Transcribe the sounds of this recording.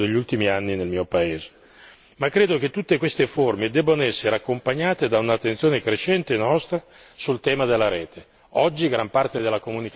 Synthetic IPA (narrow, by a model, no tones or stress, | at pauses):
d̪eʎːult̪imianːinelmiːopaeːze̥ | makːɾeːd̪ok̟et̪ːut̪ːekwest̪eformed̪ɛbːanoɛsːeɾeakːompaɲːaːt̪ed̪aunat̪ːent̪sjoːnekɾet͡ʃɛnt̪enɔst̪ɾa | sult̪ɛːmad̪elːaɾɛːt̪ʰe | ɔd͡ʒːiɡɾampart̪ed̪elːakomunik